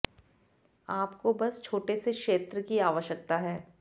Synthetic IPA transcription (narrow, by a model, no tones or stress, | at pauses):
aːpkobɐst͡ʃʰoːʈesekʃeːt̪ɾəkiaːʋəʃjək̚t̪aɦɛː